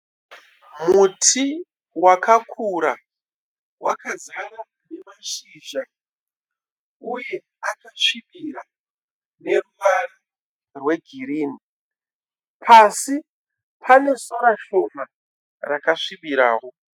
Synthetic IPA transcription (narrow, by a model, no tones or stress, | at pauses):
mutʰi | wakʰakʰuɾa | wakazara | nemaʂiːʒa | uje | akaʂiɓiɾa | ne̞ruʋara | rwe̞ɡʱiɾiːni | pʰasi | pʰane̞soɾaʃoma | rakaʂiɓiɾa̰ːɦo